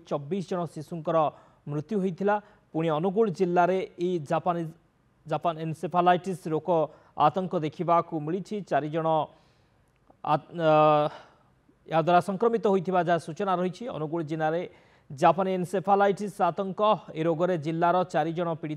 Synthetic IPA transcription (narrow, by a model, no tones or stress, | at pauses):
t͡ʃɔbːisd͡ʒɔɽ̃ɔsisuŋkɔɾɔ | mɾut̪juɦojt̪ʰila | puɽ̃iɔnuɡuɭd͡ʒilːaɾeed͡ʒapan | d͡ʒapanensepʰalajʈisɾokɔ | a̰t̪ɔŋkɔd̪ekʰibakumiɭit͡ʃʰit͡ʃaɾid͡ʒɔɽ̃ɔ | a̰ | eɦad̪waɾasɔŋkɾɔmit̪ɔɦojt̪ʰibad͡ʒasut͡ʃɔnaɾɔɦit͡ʃʰiɔ̰nuɡuɭd͡ʒilaɾe | d͡ʒapanensepʰalajʈisat̪ɔŋkɔeɾoɡɔɾed͡ʒilːaɾɔt͡ʃaɾid͡ʒɔɽ̃ɔpiɽit̪